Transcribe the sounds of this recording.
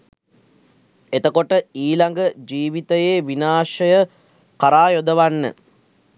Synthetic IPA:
et̪əkoʈəiːlaŋɡəd͡ʒiːʋit̪əjeːʋinaːʃəjə | kaɾaːjod̪əʋanːə̰

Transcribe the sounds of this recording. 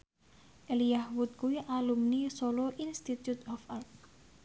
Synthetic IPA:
ʔelijahwut̪̚kuiʔalumnisolɔʔinst̪it̪jut̪ɔfalt̚

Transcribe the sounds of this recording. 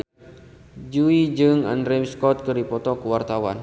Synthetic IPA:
d͡ʒuid͡ʒɨŋa̰ndɾɛmskɔt̪̚kəɾipɔt̪ɔkəwart̪awan

